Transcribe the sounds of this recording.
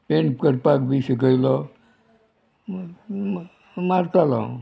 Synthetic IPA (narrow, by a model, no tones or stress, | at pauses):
peɳpkəɾpakbisiɡəjlɔ | maɾt̪alã̰ũ